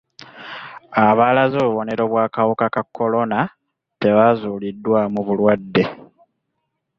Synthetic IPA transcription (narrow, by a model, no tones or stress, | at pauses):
aβaːlazoːβuβo̞ne̞ɾo̞βwaːkawukakakːo̞lo̞na | te̞βazulidːwamuβulwadːe̞